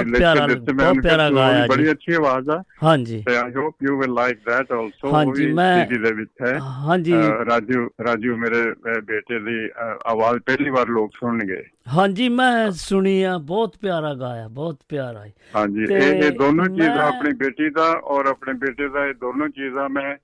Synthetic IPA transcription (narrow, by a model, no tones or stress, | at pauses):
lepjaːɾaɪeːmɛ̃ːnpjaːɾaːɡaːjiaːd͡ʒbəɽiːətːʃʰiːaːʋaːzɛːɦãːd͡ʒiːt̪eːaːɪɦoːpjuːʋɪlːaɪk̚d̪ɛːʈɔːlsoːɦãːiiːmɛ̃ːiːʈiːd̪eːʋɪt͡ʃɛːɦãːd͡ʒiːɾaːd͡ʒuːɾaːd͡ʒuːmeːɾeːbeːʈeːd̪iːa̰ːʋaːzpɛɦliːʋaːɾloːksʊɳɳɡəḛː | ɦãːd͡ʒiːmɛ̃ːsʊɽiːãːbɔːt̪pjaːɾaːɡaːjaːbɔːt̪pjaːɾaːiːɦãːɲd͡ʒiːeeːd̪oːnõːt͡ʃiːzãːəpɳiːbeːʈiːd̪aːʔɔːɾəpɳeːbeːʈeːd̪aːeːd̪oːnõːt͡ʃiːzãːmɛ̃ː